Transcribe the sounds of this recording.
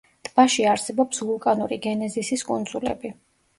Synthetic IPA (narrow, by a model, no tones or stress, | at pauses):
d̪̥ʰʼbaʃiaɾsɛbɔpsvulˠkʼanuɾiɡɛnɛzisiskʼund̪zulɛ̰bi